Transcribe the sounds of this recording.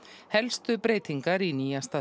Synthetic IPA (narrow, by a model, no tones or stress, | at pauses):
hɛlst̪ʏpɾeːjt̪iŋkaɾiniːjast̪a